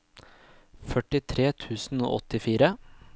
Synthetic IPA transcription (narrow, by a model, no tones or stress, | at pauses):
fœʈɪt̪ʰɾeːt̪ʰʉːsn̩o̰ːʔɔt̪ɪfiːɾə